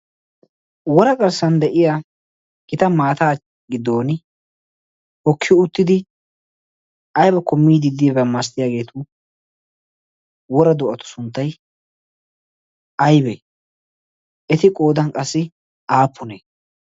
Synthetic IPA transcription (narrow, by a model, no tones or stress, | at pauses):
wɔɾɐɡɐɾsɐnd̪ɛʔɪja | ɡɪt̪ɐmaːt̪aː | ɡɪd̪o̞ːn | hɔkʰːɪjʊt̪ːɪd̪ɪ | ɐjbɐkɔmːiːd̪ɪd̪ɪbɐmːast̪ɪjaːɡe̞ːt̪ʊ | wɔɾɐd̪ʊʔɐt̪ʊ̥sʊnt̪ːɐj | ɐjbɛ | ɛt̪ɪkʼo̞ːd̪ɐnkʼɐsːɪ | aːpʰːʊneː